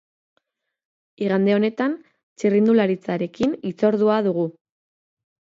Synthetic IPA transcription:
iɣand̪e̞o̞ne̞t̪an | t͡ʃirind̪ulaɾit͡saɾe̞kinit͡so̞ɾðuaðuɣu

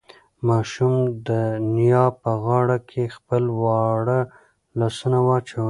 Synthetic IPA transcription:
mɑʃumd̪ənijɑpəɣɑɽakʰexpəlwɑɽə | lɑsunawat͡ʃe

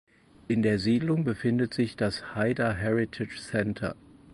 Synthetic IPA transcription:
ʔɪndeːɐziːdlʊŋbəfɪndətz̥ɪçd̥ashaɪdɐɦɛʁɪtʰɪt͡ʃsɛntʰɐ̰

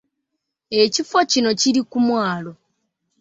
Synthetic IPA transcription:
e̞cifocino̞ciɾikumwaːlo̞

